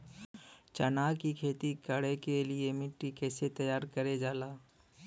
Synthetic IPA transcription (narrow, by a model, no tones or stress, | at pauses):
t͡ʃɐnaːkikʰeːt̪ikɐɽekeliemɪʈːikɛːset̪ɐjaːɾkɐɾed͡ʒaːlaː